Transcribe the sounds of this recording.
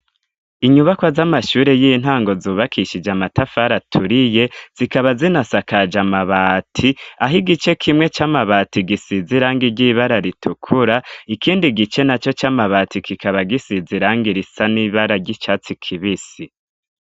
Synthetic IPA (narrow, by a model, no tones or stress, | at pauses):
iɲuβakwazamaʃuːɾe̞jin̥ɦaːŋɡo̞zuːβakʰiʃid͡ʒamatafaɾatʰuɾije̞z̥ikaβazinasakad͡ʒamaβaːtʰiaɦiɡit͡ʃe̞kʰimŋe̞t͡ʃamaβaːtiɡisiziɾaːŋɡiɾɟiβaɾaɾitʰukʰuɾaikʰiːndiɡit͡ʃe̞nat͡ʃo̞t͡ʃamaβatʰikʰikaβaɡisiziɾaːŋɡiɾisaniːβaɾaɾɟit͡ʃaːt͡sikʰiβisi